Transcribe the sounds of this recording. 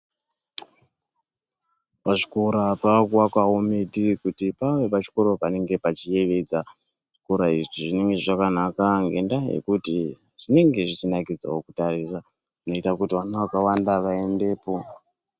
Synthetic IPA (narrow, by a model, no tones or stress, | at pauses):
paʐikoɾapakwakaometikutipawe̞pat͡ʃi̥ko̞ɾopane̞ŋɡe̞pat͡ʃije̞ʋe̞d͡za | ʐ̥i̥koɾaiʐiʐine̞ŋɡeakanakaŋɡe̞ndajḛkuti | ʐ̥ine̞ŋɡe̞ʐit͡ʃinakid͡za̰okutarisa | ʐino̞itakutiwanawakawandaʋae̞nde̞ːpo̞